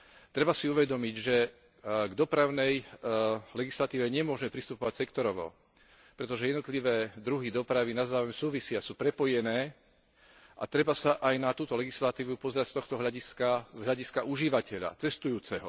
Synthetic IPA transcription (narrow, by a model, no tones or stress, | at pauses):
t̪ɾɛbasiuʋɛd̪ɔmiɟʒɛ | ɡd̪ɔpɾaʊnɛj | lɛɡislat̪iːʋɛɲɛmʊɔʒmɛpɾist̪upɔʋacsɛkt̪ɔɾɔʋɔ̰ | pɾɛt̪ɔʒɛjɛd̪nɔt̪liʋɛːd̪ɾuɦid̪ɔpɾaʋinazaːʋʊɛmsuːʋisɪasuːpɾɛpɔjɛnɛː | ʔa̰t̪ɾɛbasaʔajnat̪uːt̪ɔlɛɡislat̪iːʋupɔzɛɾacst̪ɔxt̪ɔɦlaɟiskazɦʎaɟiskaʔuʒiʋacɛʎa̰t͡sɛst̪ujuːt͡sɛɦɔ̰